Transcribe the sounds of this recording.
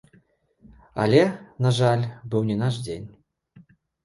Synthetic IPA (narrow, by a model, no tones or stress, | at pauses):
a̰lʲɛnaʐalʲbɨwnʲɛnaʐd͡zʲenʲ